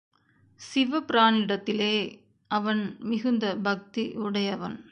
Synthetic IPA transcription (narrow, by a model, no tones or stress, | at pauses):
sɪʋɐpɪɾaːnɪɽɐt̪ːɪleː | ɐʋɐnmɪɣɯnd̪ɐbɐk̚t̪iʔʊɽɐjɐʋɐn